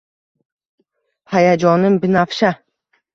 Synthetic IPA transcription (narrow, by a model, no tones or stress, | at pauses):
hajad͡ʒɒnɪmbɪnafʃa